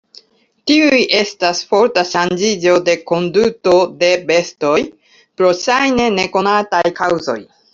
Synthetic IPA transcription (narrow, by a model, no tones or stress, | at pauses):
tiujʔe̞stasfo̞ɾtaʃand͡ʒid͡ʒo̞de̞ko̞nduto̞de̞be̞sto̞j | pɾo̞ʃajne̞ne̞ko̞natajkawzo̞̰j